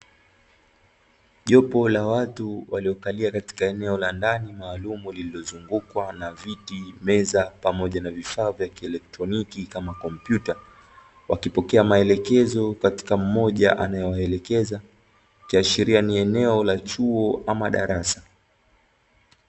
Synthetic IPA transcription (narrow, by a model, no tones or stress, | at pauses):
ʄɔpɔlawatuwaliɔkaliakati̥kaɛnɛɔlandanimaːlumulililɔzuŋɡukwanavitimɛzapamɔʄanavifaːvjakiɛlɛk̚tɾɔnikikamakɔmpjuta | wakipɔkɛamaɛlɛkɛzɔkati̥kam̩mɔʄa̰ʔa̰najɔwaɛlɛkɛza | kiaʃiɾianiɛnɛɔlat͡ʃuɔamaɗa̰ɾasḁ